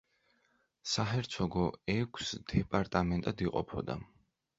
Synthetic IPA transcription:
saɦɛɾt̪sʰɔɡɔɛkʰsd̪̥ɛpʼaɾt̪ʼamɛnt̪ʼad̪iqʼɔ̰pʰɔd̪a̰

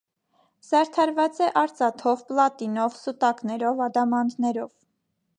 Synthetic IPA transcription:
z̥ɑɾt̪ʰɑɾvɑt͡sɛʔɑɾt͡sɑt̪ʰɔvplɑt̪inɔvsut̪ɑknɛɾɔvɑd̪ɑmɑnd̪nɛɾɔv

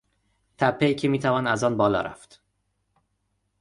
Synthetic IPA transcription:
t̪ʰæpʰːe̞iːcʰemiːt̪ʰævɒːnæzɒːnbɒːlɒ̰ːɾæ̰ft̪

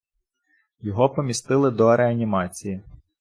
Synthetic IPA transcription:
jɔɦɔpɔmʲist̪ɪlˠɪd̪ɔɾeɐnʲimɑt͡sʲiji

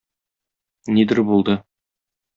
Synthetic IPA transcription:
nid̪ɘɾbulˠd̪ɤ

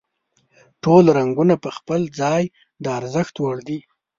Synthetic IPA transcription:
ʈolɾaŋɡunapəxpəld͡zɑj | d̪əaɾzəxt̪waɽd̪i

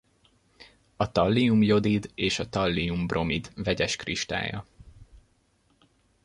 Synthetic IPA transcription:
ɒt̪ɒlːiumjo̞d̪id̪eːʃɒt̪ɒlːijumbrʔo̞mid̪vɛɟɛʃkriʃt̪a̰ːjɒ̰

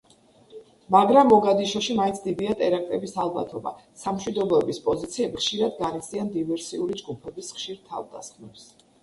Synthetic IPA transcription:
maɡɾamɔɡad̪iʃɔʃimaint̪sʰd̪id̪iat̪ʼɛɾak̚ʼt̪ʼɛbisalˠba̰t̪ʰɔba̰samʃwid̪ɔbɛbispʼɔzit̪sʰiɛbiχʃiɾad̪̚ɡanit̪sʰiand̪ivɛɾsiuɾid͡ʒɡupʰɛbisχʃiɾt̪ʰa̰vd̪a̰sχmɛps

